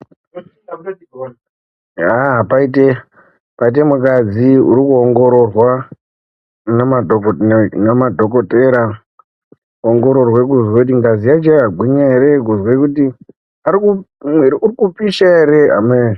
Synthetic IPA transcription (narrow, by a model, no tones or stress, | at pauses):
apaite | pait̬e̞mukad͡ziṵɾikuoŋɡo̞ɾo̞rwa | nama | namadʱo̞k̬oteɾa | oŋɡo̞ɾo̞rwekuzwekutiŋɡazijad͡ʒeraɡʱwiɲaeɾe̞ɡuzwekuti | aɾiku | mweiurikupiʃae̞ɾe̞ɦa̰me